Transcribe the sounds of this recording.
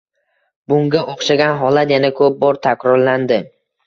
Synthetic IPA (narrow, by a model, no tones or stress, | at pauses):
bʊŋɡʲaʔoχʃaɡʲanɦɒlat̪janakʰɵp̚bɒɾt̪ʰakʲɾɒɾland̪ɪ